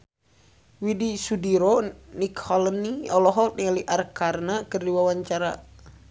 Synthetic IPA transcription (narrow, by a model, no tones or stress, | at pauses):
widisudiɾonikhɔləniɔlɔɦɔlt̪̚nialiʔarkarnakərdiwawaɲt͡ʃaɾa̰